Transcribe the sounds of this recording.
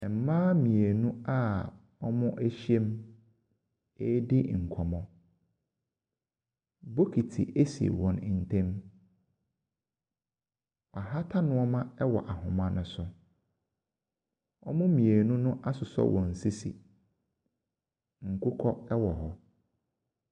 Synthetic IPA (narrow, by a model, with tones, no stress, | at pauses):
ɛ˨m̩˨˦mãː˦mĩ˨e˨nũ˦a˦˨ | ɔ˦mʊ̃˦ʔæ˦ɕe˦m | e˦dɪ˦˨ŋ̩˨kʰɔ˨mɔ̃˦ | bo˦kʰi˨tʰi˨ʔe˦sḭ˨wɔ̃˨nɪ˨n̩˨tʰẽ˦m | ɔ˨a˨ɦa˦tʰa˦nʊ̃˦ɔ˦mã˦ɛ˦wɔ̰˨ʔa˨hʊ̃˨mã˦nʊ̃˦sʊ˦ | ɔ˦mʊ̃˦mĩ˨e˨nũ˦nʊ̃˦ʔa˦sʊ˨sɔ̰˦wʔɔ̃˨n̩˨si˦sḭ˨ | ŋ̩˨kʰʊ˦kʰɔ˦ɛ˦wɔ˨hɔ˦